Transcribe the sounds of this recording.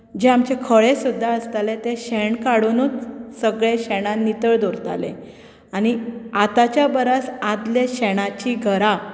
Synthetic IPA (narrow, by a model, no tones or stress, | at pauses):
d͡ʑeamt͡ɕekʰəɭesud̪ʱːaəst̪alet̪eɕeɳkaɽunut͡ssəɡɭeɕeɽ̃ãnit̪əɭd̪oɾt̪a̰lḛ̃ | aɽ̃iat̪at͡ɕjabəɾasad̪leɕeɽ̃at͡ɕiɡʱəɾa